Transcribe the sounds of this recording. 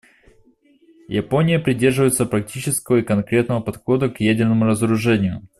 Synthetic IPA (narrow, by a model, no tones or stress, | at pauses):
jɐpo̞nʲɪjəpɾʲɪdʲe̞rʐɨvəjɪt̪səpɾɐk̚tʲit͡ɕɪskəvəikɐnkɾʲe̞t̪nəvəpɐt̪xo̞d̪əkjædʲɪrnəmʊɾəzəɾʊʐɛnʲɪjʊ